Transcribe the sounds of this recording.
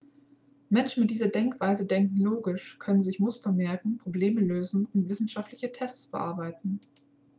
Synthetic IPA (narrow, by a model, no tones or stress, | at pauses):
mɛnʃn̩mɪt̚d̥iːzɐdɛŋkv̥aɪzədɛŋkŋ̩loːɡɪʃkʰœnənzɪçmʊstɐmɛɐkŋ̩pʁ̥obleːməløːzn̩ʊntv̥ɪsn̩ʃaftlɪçətʰɛst͡sfɛɐʔa̰ɐbaɪtn̩